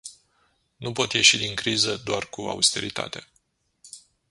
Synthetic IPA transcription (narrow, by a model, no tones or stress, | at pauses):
nupo̞t̪je̞ʃid̪iŋkɾizəd̪oarkua̰ust̪e̞ɾit̪a̰t̪e